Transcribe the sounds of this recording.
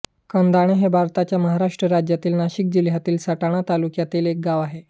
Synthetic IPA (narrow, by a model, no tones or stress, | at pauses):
kənd̪aɽ̃eɦebʱaɾt̪at͡ɕjaməɦaɾaʂʈɾəɾad͡ʑjat̪iːlnaɕik̚d͡ʑiljat̪iːlsəʈaɽ̃at̪alukjat̪iːlek̚ɡaʋaɦe